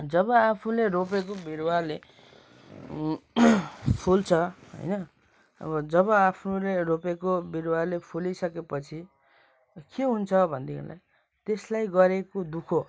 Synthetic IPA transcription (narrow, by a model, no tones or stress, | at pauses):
d͡zʌbʌapʰuleɾop̬ekobiɾwarle | pʰult͡sʰʌɦʌ̰jnʌ | ʌ̰βʌd͡zʌβʌapʰnuleɾopekobiɾwarlepʰulisʌkepʌt͡sʰi | keɦunt͡sʰʌbʱʌnd̪ḭla̰j | t̪eslajɡʌɾekod̪ukʰo